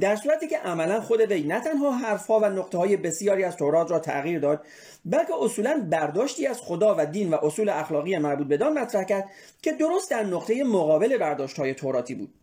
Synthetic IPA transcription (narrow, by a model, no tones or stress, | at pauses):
d̪æɾsuːɾæt̪iːce̞ʔæmælænxo̞d̪e̞ve̞jnæt̪ʰænɦɒːɦæɾfhɒːvænoqt̪ʰehɒːje̞be̞sijɒːɾiːæzt̪ʰoɾɒːt̪ʰɾɒːt̪ʰæ̰ɣiːɾd̪ɒːd̪̚ | bælcʰe̞ʔosuːlænbæɾd̪ɒːʃt̪iːæz̥xo̞d̪ɒːvæd̪iːnvæʔosuːleæxlɒːɣijemæɾbuːt̪̚be̞d̪ɒːnmæt̪ʰɾæhcæɾd̪̥ | cʰe̞d̪o̞ɾost̪d̪æɾnoqt̪ʰeje̞moɣɒːbe̞le̞bæɾd̪ɒːʃt̪hɒːje̞t̪ʰoɾɒːt̪ʰiːbṵːd̪̥